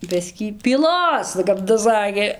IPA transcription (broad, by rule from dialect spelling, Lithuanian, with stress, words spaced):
ˈbʲɪsʲkʲiː pʲiːˈlˠoːs kɐp tɐs ˈsɑːkʲeː